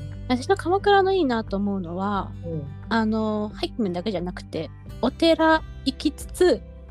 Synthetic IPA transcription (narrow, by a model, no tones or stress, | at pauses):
βat̪aɕinakaβakɯɾano̞iːnat̪o̞ːmo̞ɯ̟no̞βaː | no̞haikʲːimɯ̃nd̪ake̞ʑanakɯ̟̥t̪e̞ | o̞t̪e̞ɾaikʲit͡sɨ̥t͡sɨ